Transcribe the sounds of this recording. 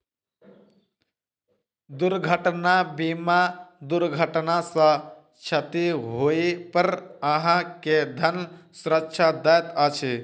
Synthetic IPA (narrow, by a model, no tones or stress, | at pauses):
d̪ʊɾɡʱəʈnabimad̪ʊɾɡʱəʈnasã | t͡ʃʰət̪iɦoːipəɾəɦãked̪ʱənsʊɾəkːʃʰad̪ajt̪at͡ʃʰe